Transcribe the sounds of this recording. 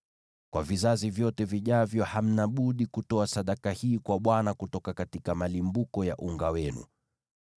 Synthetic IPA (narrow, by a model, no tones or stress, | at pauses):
kwavizazivjɔtɛviʄavjɔham̩naɓuɗikutɔasaɗakahiːkwaɓwanakutɔkakatikamalimbukɔja̰ʔuŋɡawɛnṵ